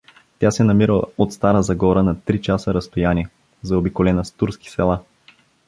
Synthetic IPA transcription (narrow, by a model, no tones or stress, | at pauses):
t̪ʲjasɛnɐmiɾəot̪st̪aɾəzɐɡɔɾənɐt̪ɾit͡ʃasəɾɐst̪ojaniɛ | zɐobikolɛnəst̪uɾski̥sɛlˠa